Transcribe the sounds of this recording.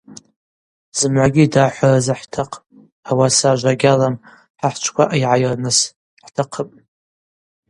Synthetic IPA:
z̥ɨmʕʷaɡʲidaħʷarazaħtʰaqʰʼ | awasaʒʷaɡʲalam | ħaħt͡ʃʷʰkʷʰaʔaiʕajrnɨs | ħtʰaqʰəpʼ

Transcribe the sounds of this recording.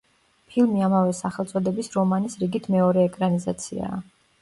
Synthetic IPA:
pʰilˠmiamavɛsaχɛlˠt̪sʼɔd̪ɛbisɾɔmanisɾiɡit̪ʰmɛɔɾɛːkʼɾanizat̪sʰḭa̰ː

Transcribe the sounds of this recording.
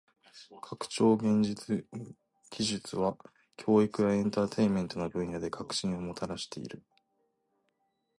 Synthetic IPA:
kʰakɯ̟̥t͡ɕo̞ːɡẽ̞ɲ̟d͡ʑit͡sɨ | ɡ̥ʲiʑɨt͡sɨβa | kʲʰo̞ːikɯ̟jaẽ̞nt̪at̪ʰe̞ime̞nt̪o̞nobɯ̟̃ɰ̃jad̪e̞kʰakɯ̟̥ɕĩɰ̃o̞mo̞t̪ʰaɾaɕi̥t̪e̞̰ḭɾɯ̟

